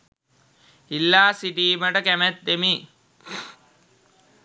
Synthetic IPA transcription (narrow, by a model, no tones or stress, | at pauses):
ilːaːsiʈiːməʈəkæmæt̪̚d̪emiː